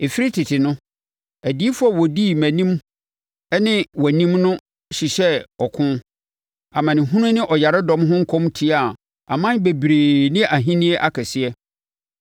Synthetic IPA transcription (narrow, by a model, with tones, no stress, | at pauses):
e˨fi˦ɾi˦tʰɪ˨tʰɪ˨nʊ̃˦ | æ˨di˦fu˦a˨wɔ˨di˦mæ̃˨nĩ˦m˦ | nɪ̃˦wɔ˨nĩ˦mnʊ̃˦ | ɕi˨ɕɛ˦ɔ˨kʰʊ̃˦n | a˨mã˨nɪ̃˨ɦũ˦nʊ̃˦nɪ̃˦ʔɔ˨ja˨ɾɪ˦dɔ̃˦mɦʊ̃˦ŋ̩˦kʰɔ̃˦mtʰi˦a˦˨ | a̰˨mã˦be˨bɾe˨nɪ̃˦ʔa˨ɦĩ˦nĩ˦e˦ʔa˦kʰɛ˨sɪ˦ɛ˦